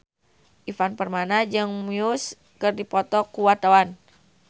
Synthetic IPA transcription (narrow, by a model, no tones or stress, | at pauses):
ʔifanpərmanad͡ʒɨŋmiʊs | kɨrdipɔt̪ɔkuwat̪awan